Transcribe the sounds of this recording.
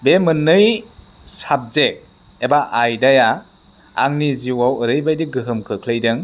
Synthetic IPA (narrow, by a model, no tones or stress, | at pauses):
bemɯnːɯj | sap̚zek̚ | ebaʔajdaja | a̰ŋniziwawəɾɯjbajdiɡɯɦɯmkʰɯkʰlɯjdɯŋ